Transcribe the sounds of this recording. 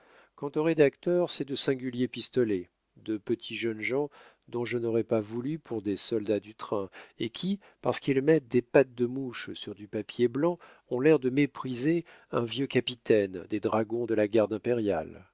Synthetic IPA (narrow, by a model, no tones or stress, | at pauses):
kɑ̃t̪oʁed̪akt̪œʁsɛd̪əsɛ̃ɡʲyljepist̪ɔlɛ | d̪əpət̪ʰiʒənʒɑ̃ | d̪ɔ̃ʒənɔʁɛpavulypʰuʁd̪esɔld̪ad̪yt̪χɛ̃ekʲʰi | paʁsə̥kilmɛt̪̚d̪epat̪̚d̪əmuʃsyʁd̪ypapjeblɑ̃ | ɔ̃lɛʁd̪əmepχize | ɛ̃vjøkapit̪ɛnd̪ed̪ʁaɡɔ̃d̪əlaɡaʁd̪ɛ̃peʁjal